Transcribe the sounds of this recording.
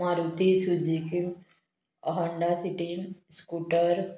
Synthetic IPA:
aɾut̪isud͡ʒiki | ɐɦəɳɖasiʈiskuʈəɾ

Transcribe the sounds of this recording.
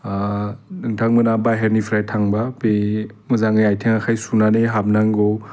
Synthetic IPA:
nɯŋtʰaŋmɯnabajɦeɾnipʰiɾajtʰaŋbabemɯzaŋɯjajtʰeŋakʰajsunaneɦab̚naŋɡo

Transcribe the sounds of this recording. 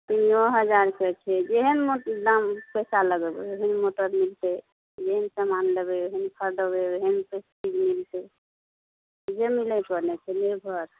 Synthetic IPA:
t̪inɔɦəd͡ʒaɾket͡ʃʰɛd͡ʒeɦənmot̪id̪ampɛjsaləɡəbɛeɦənmoʈəɾmilt̪e | d͡ʒeɦənsamanlebɛeɦənkʰəɾɖəbeeɦənpesʈikmilt̪ɛ | d͡ʒemilɛpəɾnɛt͡ʃʰɛlebʱəɾ

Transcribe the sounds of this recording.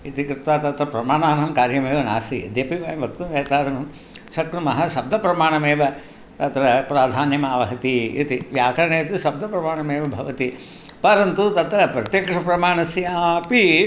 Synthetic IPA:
it̪ikɾɨt̪ʋaːt̪ɐt̪ɾɐpɾɐmaːɳaːnɐmkaːɾjɐmeːʋɐna̰ːsḭd̪eːpiʋɐjɐmbʱɐk̚t̪umjeːt̪aːɾɐnɐm | sɐkɾumɐɦɐʃɐb̚d̪ʱɐpɾɐmaːɳɐmeːʋɐ | t̪ɐt̪ɾɐpɾaːd̪ʱaːnjɐmaːʋɐɦɐt̪iḭt̪iʋjaːkɐɾɐɳeːt̪iʃɐb̚d̪ʱɐpɾɐmaːɳɐmeːʋɐbʱɐ̰ʋɐt̪i | pɐɾɐnt̪ut̪ɐt̪ɾɐpɾɐt̪jɐːkʂɐpɾɐmaːɳɐsjaːpi

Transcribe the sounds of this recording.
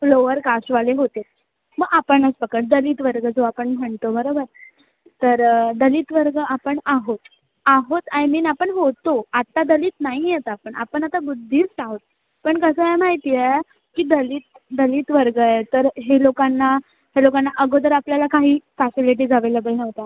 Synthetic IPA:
floʋəɾkasʈʋaleɦot̪e | məɡapəɳət͡sbəkəʈ̚d̪əliːt̪ʋəɾɡəd͡zoapəɳm̤əɳt̪obəɾobəɾ | t̪əɾd̪əliːt̪ʋəɾɡəʔapəɳaɦot̪ | aɦot̪ajmiːnapəɳɦot̪oat̪ːad̪əliːt̪naɦijet̪apəɳa̰pəɳat̪abud̪ʱːiːt͡saɦot̪̚ | pəɳkəsəɦemaɦit̪ie | kiːd̪əliːt̪̚ | d̪əliːt̪ʋəɾɡəet̪əɾɦelokanːa | ɦelokanːaʔəɡod̪əɾapljalakaɦiːfɛsiliʈ̬iːd͡zʱaʋeləbəinəʋt̪a

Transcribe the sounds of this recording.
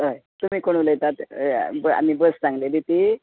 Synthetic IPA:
ɦəjt̪um̤iːkoɳ̃uləjt̪at̪ba̰mibəst͡sãŋɡled̪it̪i

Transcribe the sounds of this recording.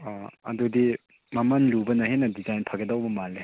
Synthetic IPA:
ɐ̰dudi | mamanlubɐnɐhenɐdizajnpʰaɡedawbɐmale

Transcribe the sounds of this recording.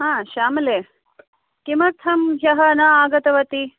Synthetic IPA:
ɦãːʃaːmɐleː | kimɐɾt̪ʰɐmɦjɐɦɐnɐaːɡɐt̪ɐʋɐt̪i

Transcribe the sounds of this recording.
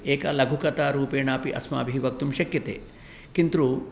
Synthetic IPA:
eːkalɐɡʱukɐt̪aːɾuːpeːɳaːpiʔɐ̰sma̰ːbʱiʋɐk̚t̪umʃɐkjɐt̪ḛː | kint̪ɾu

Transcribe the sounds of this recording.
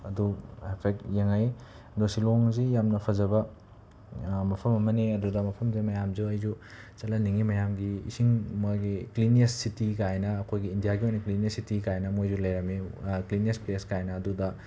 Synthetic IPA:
ɐduepʰek̚jeŋaj | dosiloŋzijamnɐpʰɐzɐbɐ | mɐpʰɐmɐmɐneɐdudɐmɐpʰɐmzimɐjamzuɐjzu | t͡ʃɐlɐniŋimɐjamɡḭːsiŋmojɡikliniessitikajnɐːkʰojɡiːndijaɡiojniklinesitikajnɐmojzulɐjɾɐmekliniespleskajnɐːdudɐ

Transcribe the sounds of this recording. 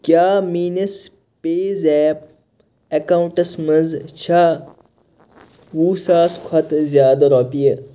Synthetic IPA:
kjaːmiːnɐs | peːzɛːp̚ | ɐkaːwũɳʈɐsmɐzt͡ʃʰa | wuːsaːskʰɐt̪zjaːd̪ɐɾoːpije

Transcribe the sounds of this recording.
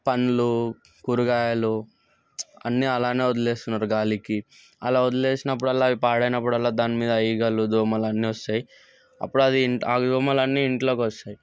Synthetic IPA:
pɐnːulu | kuɾuɡaːjalu | ɐ̰nːiɐlaːne̞ːud̪ule̞ːst̪unːaːɾuɡaːliki | ɐlaːud̪ule̞ːsinɐp̬ːuɽɐlːaːipaːɽɐjnɐp̬ːuɽɐlːaːd̪aːnimiːd̪ɐɐjiɡɐlud̪uːmɐlɐnːiɔst̪aːji | ɐ̰pːuɽuɐd̪iɳaːd̪uːmɐlɐnːiːɳʈlo̞ːkɔst̪aːji

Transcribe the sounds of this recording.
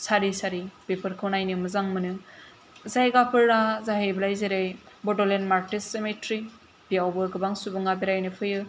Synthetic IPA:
saɾisaɾibepʰɯɾkʰɯwnajnɯmɯzaŋmɯnɯ | zajɡapʰɯɾːazaɦejbɐlajzeɾej | bɔdɔlenmaɾtisːemetɾi | b̥ijawbɯɡɯbaŋsubɯŋabeɾajnɯpʰɯjɯ

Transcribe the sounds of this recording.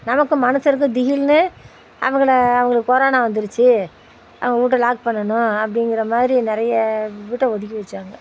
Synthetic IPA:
nɐmɐkːɯ̃mɐnɐsɪɾɯk̬ːɯ̃d̪ɪɣɪlnɯ | ʔɐ̰ʋɐŋɡɐɭɐʋɐŋɡɐɭɯkːɯkɔɾaːnaʋɐnd̪ɯɾɯt͡ʃːɯ | ʔɐ̰ʋɐŋɡɐuːʈ̬ːɐlaːk̚pɐɳːɐnʊ̃ɐpːɐɽɪŋɡɪɾɐmaːðɪɾinɪɾɐjɐʋiːʈːɛ̃ɔðɪk̬ʲːɪʋɐt͡ʃːaːŋɡɐ

